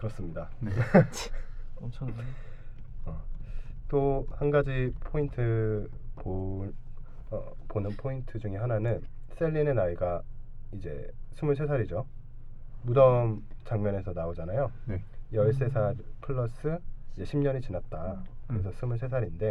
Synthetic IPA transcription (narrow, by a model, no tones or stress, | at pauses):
kɯɾʌs͈ɯmɲidan | ʌ | t͈ohanɡad͡ʑipʰointʰɯpo | ponɯnpʰointʰɯd͡ʑuŋiɦananɯns͈ʰe̞ʎːinenaiɡaid͡ʑe̞̰sʰumɯɭs̬ʰe̞sʰaɾid͡ʑo | mudʌmt͡ɕaŋɲʌne̞sʰʌnaod͡ʑanajonjʌɭs̬͈e̞sʰaɾpʰɯɭːʌs͈ɯjeɕʰimɲʌɲit͡ɕinat̚t͈akɯɾesʰʌsʰumɯɭs̬ʰe̞sʰaɾinde̞